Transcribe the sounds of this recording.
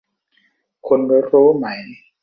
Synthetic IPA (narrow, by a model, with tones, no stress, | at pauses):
kʰo˧nbo˧˦ɾuː˦˥ma˦j